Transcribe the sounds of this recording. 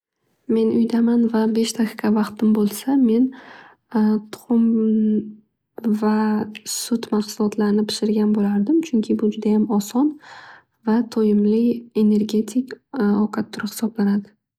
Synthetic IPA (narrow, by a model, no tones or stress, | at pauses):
me̞nʊjd̪amanvabe̞ʃd̪ʰaqʰɪ̥kʰavɑqt̪ʰɪmbolˠsame̞n | t̪ʰʊ̥χʊm | vasʊt̪maqsʊlˠɒt̪ʰlaɾɪnɪpʰɪ̥ʃɪɾɡʲanbolaɾd̪ɪmt͡ʃʰʊŋkʲʰɪbʊd͡ʒʊd̪ajamɒsɒn | vat̪ʰojɪmlɪe̞ne̞ɾɡʲe̞t̪ʰɪkʲɒqʰat̪ʰːʊɾhɪ̥sɒblanad̪ɪ